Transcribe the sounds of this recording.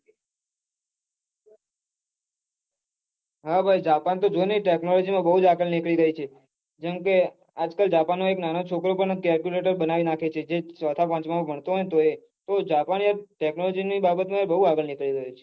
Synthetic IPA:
ɦabʱajd͡ʒapant̪od͡ʒonəiʈeknɔlɔd͡ʒimãbəɦud͡ʒaɡəɭnɪkɭiɾəɦit͡ʃʰe | d͡ʒɛmke | ad͡ʒkəld͡ʒapanːoeknanot͡ʃʰokɾopəɳkɛɾkjuleʈəɾbənaʋinakʰet͡ʃʰed͡ʒesət̪ʰapãt͡ʃmãbʱəɳt̪oɦɔjt̪oe | t̪od͡ʒapaniaɾʈeknɔlɔd͡ʒinibabət̪mãbəɦuaɡəlnɪkɭiɾəɦut͡ʃʰe̥

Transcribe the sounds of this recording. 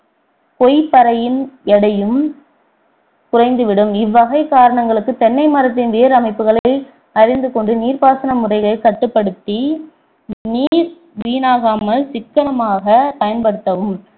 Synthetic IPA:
kɔjpːɐɾɐjɪnɛɽɐjɯm | kʊrɐɪnd̪ɯʋɪɽɯmɪʋːɐɣɐɪkaːɾɐɳɐŋɡɐɭɯkːɯt̪ɛnːɐɪmɐɾɐt̪̬ːɪnʋeːɾɐmɐɪpːɯɣɐɭɐɪ | ɐɾɪnd̪ɯkɔɳɖɯniːɾpaːsɐnɐmʊrɐɪɣɐɭkɐʈːɯpːɐɽɯt̪ːi | niːɾ | ʋiːnaːɣaːmɐlsɪkːɐnɐmaːɣɐpɐjɐnpɐɽɯt̪ːɐʋɯm

